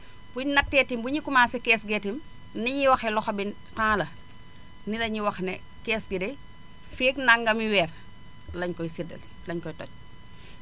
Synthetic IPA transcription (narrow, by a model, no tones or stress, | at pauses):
b̥uɲnɐk̚tɛːtimbuɲikumaːsɛkɛːsɡɛtim | niɲiwɐxɛlɔxɐbin | tãːlɐ | nilɐɲiwɐxnɛ | kɛːsɡidɛ | feːknaŋɡɐmiwɛːr | lɐɲkɔjsidɐ̰l | lɐɲkɔjtɔ̰c̚